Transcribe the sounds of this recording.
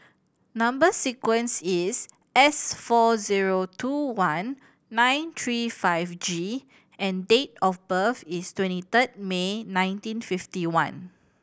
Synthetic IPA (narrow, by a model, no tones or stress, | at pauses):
nãmbəsikwə̃nsis | ɛsfɔziɹotʰuwãnː | ãj̃nt̪ʰɹifaɪfd͡ʒi | ɛ̃ndet̚ɔfbəfistwɛ̃ntit̪ət̚menãj̃ntĩnfiftiwãn